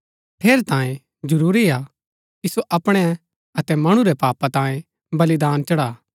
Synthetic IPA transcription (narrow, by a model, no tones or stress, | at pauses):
pʰeːɾt̪ãːjẽ | d͡ʒɐɾuːɾia | kisoʔɐpɽ̃ɛ | ɐt̪ɛmɐɽ̃uɾɛpaːpat̪ãːẽ | bɐlid̪aːnt͡ʃɐɽaː